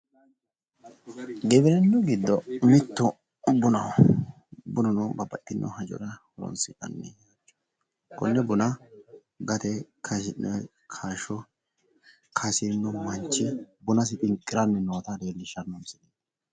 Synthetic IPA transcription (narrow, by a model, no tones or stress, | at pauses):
ɡɛbɪɾɛnːʊɡɪd̪ːɔmɪt̪ːʊ | bʊnɐw | bʊnɔnobɐbɐtːɪnːɔ̰hɐd͡ʒɔ̰ɾɐhɔɾɔ̰nsɪt̪ʼɐ̰nːɛ̰at͡ʃːɔ̥ | kɔnːɛbʊnɐ | ɡɐt̪ɛkʰɐs̬ɪnːɛ | kʰaːʃɔ | kʰɐsɪnːɔmɐɲt͡ʃːɪbʊnɐs̬ɪt̪ʼɪŋkʼːɪɾɐnːɛnːoːt̪ɐd̪eːlːɪʃɐnːɔmsɪdeːd̪ɐ̥